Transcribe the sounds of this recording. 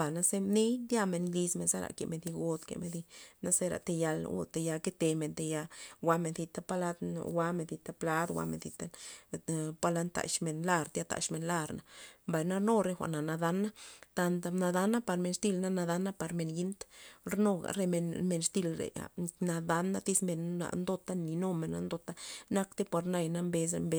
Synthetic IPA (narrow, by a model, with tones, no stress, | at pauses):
ba˨na˦se˦ne˦jd̪ja˧me˧nli˧sme˨nsa˦ɾa̰˨kḛ˨me˨nθi˧ɡo˧t̪kḛ˨me˧nd̪i˧na˦se˦ɾa̰˨t̪e˧ja˧l̰ɡo̰˧˨t̪e˧ja˧ke˦t̪e˧me˨nt̪e˧ja˧wa˧˦me˧nθi˧t̪a˦pa˦la˦d̪̰wa˧me˧nθi˧t̪a˦pla˦d̪wʷa̰˧mḛ˨nθi˧t̪a˦ | pa˦la˧nt̪a̰˨ʃme˨nla˧ɾt̪ja˧t̪a̰˨ʃme˧nla˦˧ɾna˨mba˨jna˦ɾno˦˧ɾe˧xʷa̰˨ʔna˨na˧d̪a˧nːa˦t̪a˧nt̪a˧na˧d̪a˦nːa˦pa˧ɾme˧nst̪i˦˨lna˦na˧d̪a˧nːa˦pa˧ɾme˧nji˧˦nt̪ɾno˧ɡa̰˨ɾe˧me˧nme˧nst̪i˧lɾḛ˨a̰˨na˧d̪a˧˦nːa˦t̪i˦sme˧nːa̰˨nd̪o˧t̪a˦ni˨˧no˦me˨nːa̰˦nd̪o˧t̪a˦na˧kt̪e˦pa˨˧ɾna˧jna˧mbe˧s̬e˧mbe˧